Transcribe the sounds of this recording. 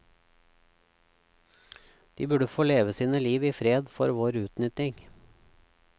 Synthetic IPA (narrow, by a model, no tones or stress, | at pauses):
d̪̥ḭːbʉɖəfoːleːʋəsiːnəliːʋiːfɾeːd̪fɔɾʋoːɾʉːt̪nʏt̪ɪŋ